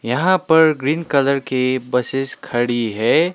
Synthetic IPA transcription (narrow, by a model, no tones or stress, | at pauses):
jɐɦãpɐɾɡɾiːnkɐləɾkebɐsɪskʰɐɽiɦɛː